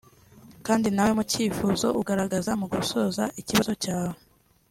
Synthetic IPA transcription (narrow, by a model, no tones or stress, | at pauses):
kaːndinawe̞muciːfuːzo̞̰ʔuɡaɾaɡazamuɡuso̞za̰ʔiciβazo̞caːwe